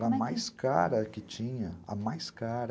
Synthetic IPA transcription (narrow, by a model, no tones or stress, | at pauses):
ɾɐmajska̰ɾɐkɪt͡ʃĩɲɐɐ̰majskaɾ